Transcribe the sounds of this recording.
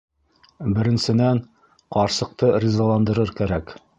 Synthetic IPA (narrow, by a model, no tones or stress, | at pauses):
bɘ̆ɾɘ̆nsɘ̆næɴ | qɒɾsɤ̆q̚t̪ɤrʲizɑlˠɑnd̪ɤ̆ɾɤɾkæɾæk